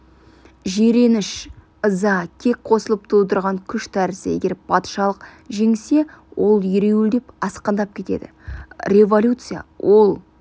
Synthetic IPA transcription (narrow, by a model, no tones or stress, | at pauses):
ʒeɾe̞nɪʃ | əzɑkʲʰe̞k̚ʲqʰo̞səlˠəp̚t̪ʰuwd̪əɾʁɑŋkʲʰʏʃt̪ʰæɾɪse̞̰ɡʲe̞ɾpʰɑt̪ʃɑlˠəqʒe̞ŋse̞wʔo̞lˠjʏɾe̞wɪld̪e̞pɑsqəɑnd̪ɑp̚kʲʰe̞t̪e̞̰d̪ɪ̰rʲe̞volʲut̪sɨja̰wʔo̞lˠ